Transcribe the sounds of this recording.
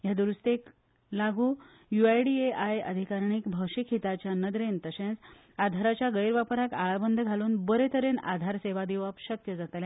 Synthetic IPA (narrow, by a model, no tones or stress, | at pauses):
jad̪uɾust̪ek | laɡʱuː | juajɖieʔajəd̪ʱikaɾɳiːkbʱəwʂikʰɦit̪at͡ɕjanəd̪ɾent̪əsẽt͡s | ad̪ʱaɾat͡ɕjaɡəjɾʋapɾakaɭabənd̪ʱəɡʱaluːnbəɾet̪əɾena̰d̪ʱaɾseʋad̪iʋapɕəkjəd͡zat̪le